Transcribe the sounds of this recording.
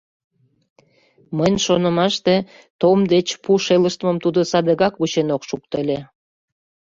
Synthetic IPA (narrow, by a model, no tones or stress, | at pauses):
mənʲʃonəmɑʃt̪e | t̪omd̪et͡ɕpuʃeləʃt̪məmt̪ud̪əsɑd̪əɣɑkβut͡ɕenokʃukt̪əlʲe